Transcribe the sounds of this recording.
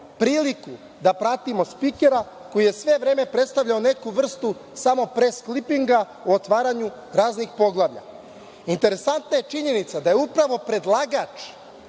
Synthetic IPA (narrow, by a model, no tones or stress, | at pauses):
pɾiːliku | d̪apɾat̪imo̞spike̞ɾa | ko̞jije̞sʋe̞ʋɾe̞ːme̞pɾet̪st̪aʋʎaone̞kuʋr̩st̪u | samo̞pɾesklipiŋɡa | uot̪ʋaːɾaɲu | ɾaːznixpo̞ɡlˠaːʋʎa̰ | int̪eɾe̞sant̪naje̞t͡ʃiɲe̞nit̪sad̪ajeupɾaʋo̞pɾe̞d̪lˠaɡat͡ʃ